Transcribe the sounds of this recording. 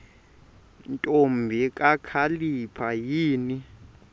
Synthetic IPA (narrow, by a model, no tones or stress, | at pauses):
ntʼombʱikʼakʰalipʰajiːni